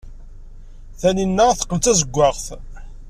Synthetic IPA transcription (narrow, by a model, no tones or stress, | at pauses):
θæninːæθə̥qːəmt̪æzəɡʷːɑʁθ